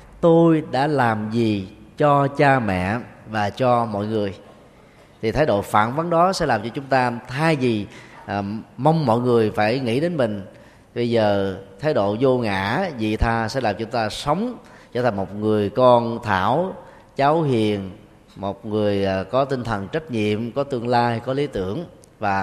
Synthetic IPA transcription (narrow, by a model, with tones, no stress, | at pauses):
t̪o˧jɗa̰ː˧˥laː˨˩mzi˨˩t͡ɕɔ˧t͡ɕaː˧mɛ̰˧˨vaː˨˩t͡ɕɔ˧mɔ̰˧˨jŋɨ˨˩əj | t̪ʰi˨t̪ʰaː˨˦jɗo̰˧˨fa̰ː˧˨nvə˨˦nɗɔ˨˦sɛ̰˧˥laː˨˩mt͡ɕɔ˧t͡ɕʊ˨˦ŋ͡mt̪aː˧t̪ʰaː˧jzi˨˩ | mə˧wŋ͡mːɔ̰˧˨jŋɨ˨˩əjfaː˧˩jŋḭ˧˥ɗe˨˦nmï˨˩ŋ̟ | ɓə˧jzəː˨˩t̪ʰaː˨˦jɗo̰˧˨zo˧ŋa̰ː˧˥zḭ˧˨t̪ʰaː˧sɛ̰˧˥laː˨˩mt͡ɕʊ˩˦ŋ͡mt̪aː˧sə˨˦wŋ͡m | t͡ɕə̰˧˥˩t̪ʰa˨˩ŋmo˨˩t̚ŋɨ˨˩əjkɔ˧nt̪ʰa̰ː˧˩w | t͡ɕaː˨˦whi˨˩ən | mo˨˩t̚ŋɨ˨˩əjkɔ˨˦t̪ï˧nt̪ʰə˨˩nt͡ɕə˦˥t̚ɲḭ˧˨əmkɔ˨˦t̪ɨ˧əŋlaː˧jkɔ˨˦li˨˦t̪ɨ˧˩əŋ | vaː˨˩